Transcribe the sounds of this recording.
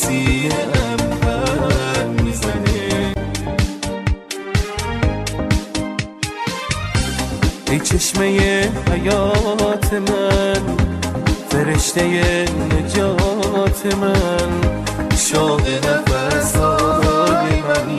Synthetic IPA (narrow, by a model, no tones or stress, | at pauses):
siːnʔæmva | mizæne | ejt͡ʃʰeʃme̞jehæjɒːt̪ʰe̞mæn | fe̞ɾeʃt̪e̞jened͡ʒɒːt̪ʰe̞mæn | ʃod̪enæbæɾsɒːobemæn